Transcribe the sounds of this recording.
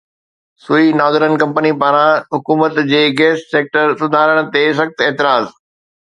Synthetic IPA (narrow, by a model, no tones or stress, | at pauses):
suinaːzɪɾənkɐ̃mpənipaːɾãɦʊkuːmət̪d͡ʑeːɡeːsʈseːk̚ʈəɾsʊd̪ʱaːɾəɽ̃ə̆t̪es̬ɐxt̪eːt̪ɪɾaːz